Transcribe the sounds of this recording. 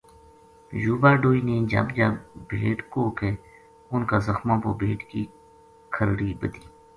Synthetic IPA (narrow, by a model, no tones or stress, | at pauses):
juːbaːɖoːiːneːd͡ʒə̰bd͡ʒabʱeːʈkoːkeː | ʊnkaːzəxmãːpoːbʱeːʈki | kʰəɾɽiːbəd̪iː